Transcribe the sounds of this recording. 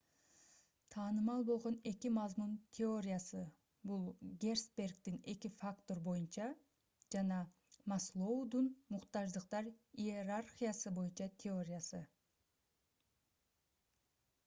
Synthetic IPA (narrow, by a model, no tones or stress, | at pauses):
t̪ʰɑːnɯmɑlˠbo̞lˠʁo̞ne̞kimɑzmunt̪ʲʰeo̞ɾʲɪjasɯ | bulˠɡʲe̞rspʲe̞rɡt̪ine̞kifakt̪o̞ɾbo̞junt͡ʃɑ | d͡ʒɑnɑ | mɑslˠo̞ud̪unmuqt̪ɑʒd̪ɯqt̪ɑɾierarχʲijasɯbo̞junt͡ʃɑt̪ʲʰeo̞ɾʲɪjasɯ